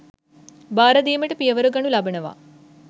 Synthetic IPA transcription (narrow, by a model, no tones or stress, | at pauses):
baːɾɐd̪iːməʈəpijɐʋɐɾuɡɐnulabɐnəʋa̰